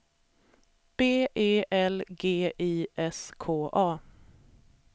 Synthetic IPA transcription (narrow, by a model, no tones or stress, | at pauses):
b̥eːʔeːʔɛlɡeːʔiːʔɛskʰoːʔɑː